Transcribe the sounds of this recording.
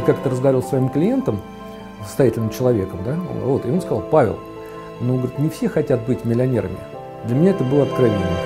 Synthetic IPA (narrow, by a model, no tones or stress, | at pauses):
kakət̪əɾəzɡɐɾʲilˠsvɐimklʲɪjent̪əm | sə̥st̪ɐjætʲɪlʲnɨmt͡ɕɪlˠɐvʲe̞kəmd̪a̰nvo̞t̪ɪo̞nskɐzɑlˠpavʲɪ̰lˠ | nonɡəɾʲɪt̪nʲɪfsʲe̞xɐtʲat̪̚bɨtʲmʲɪlʲɪɐnʲe̞̰ɾə̰mʲɪ̰ | d̪lʲəmʲɪnʲaɛt̪əbɨlˠəɐt̪kɾavʲɪnnʲə